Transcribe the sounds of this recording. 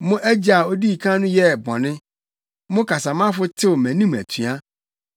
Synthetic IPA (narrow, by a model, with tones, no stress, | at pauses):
mʊ̃˦ʔɛ˦d͡ʑa˨o˦di˦i˨kʰã˦nũ˦jɛ˦˨bɔ̰̃˨nɪ̃˦ | mʊ̃˦ka˨sã˨mã˦fʊ˦t̪ʰɪ˦wo˨mɛ̃˨nĩ˦mɛ̰˨t̪ʰu˨˦a˦